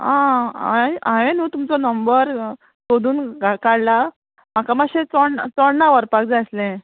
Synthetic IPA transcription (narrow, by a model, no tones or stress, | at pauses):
ɦãaeaɦenuːt̪umt͡sɔnəmbəɾ | sod̪ʱuːnɡʱakaɽla | m̤akamaɕet͡sɔɽt͡sɔɽnaʋəɾpak̚d͡zaslẽ